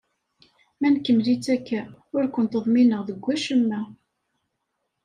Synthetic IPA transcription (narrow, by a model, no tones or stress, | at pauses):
mænkːəmlit͡sːækːæʊɾkʷənt̪əðˤminəʁðəɡʷːæʃəmːæ